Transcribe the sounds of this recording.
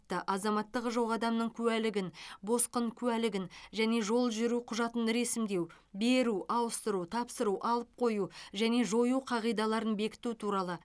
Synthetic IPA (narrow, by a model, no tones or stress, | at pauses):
t̪ːəʔɑzɑmɑt̪ːəʁʒo̞ʁɑd̪ɑmnəɴkʲʰɵwælɪɡʲɪnbo̞sqəɴkʲʰʉælɪɡʲɪnʒæne̞ʒo̞lˠʒʏɾuqʰʊʒɑt̪ənɾe̞sɪmd̪e̞w | be̞ɾuʔɑwəst̪əɾut̪ʰɑpsəɾuwʔɑlˠəp̚qʰo̞juʒæne̞ʒo̞juqʰɑʁijd̪ɑlˠɑɾənbe̞kʲɪ̥t̪ut̪ʰuɾɑlˠə